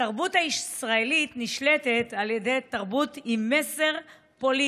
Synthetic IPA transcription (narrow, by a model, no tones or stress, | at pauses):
aʁbutaiʃsʁaelitniʃletetaljede̞jtaʁbutimːeseʁ | po̞li